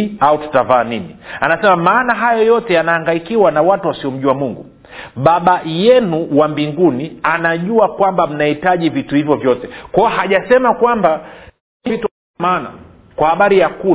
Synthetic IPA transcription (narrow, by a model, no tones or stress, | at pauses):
autu̥tavaːninianasɛmamaːnaɦajɔjɔtɛjanaːŋɡaikiwanawatuwasiɔm̩ʄuamuŋɡu | ɓaɓajɛnuwambiŋɡunianaʄuakwambam̩nahitaʄivituhivjɔvjɔtɛkwaɔhaʄasɛmakwamba | vitu | maːna̰ | kwahaɓaɾijaku